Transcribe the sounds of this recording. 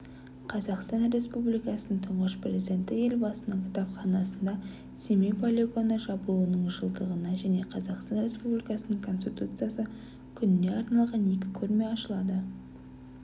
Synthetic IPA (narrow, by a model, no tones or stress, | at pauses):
qʰɑzɑqst̪ɑnre̞spublijkɑsənəɴt̪ʰʊɴʁəʃprʲezid̪ʲe̞nt̪ɪje̞lbɑsənəŋkʲʰɪ̥t̪ɑpχɑnɑsənd̪ɑ | semejpʰolʲeko̞nəʒɑbəlˠuənəɴʒəlˠd̪əʁənɑʒæne̞qʰɑzɑqst̪ɑnɾʲe̞spublijkɑsənəŋkʰo̞nst̪ʲit̪ut̪sɨjasə | kʲʰʏnɪne̞ɑɾnɑlˠʁɑne̞kʲɪkʲʰɵɾme̞ɑʃəlˠɑd̪ə